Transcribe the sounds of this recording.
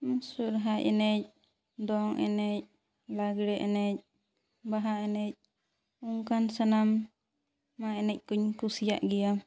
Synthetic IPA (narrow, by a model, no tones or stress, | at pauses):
musuɾɦaʔɛ̰nɛc̚ | d̪ɔŋʔɛ̰nɛc̚ | laɡɽɛʔɛnɛc̚ | baɦaɛnɛc̚ | uŋkansanamː | aɛnɛc̚ˀkuɲkusija̰ʔɡɛja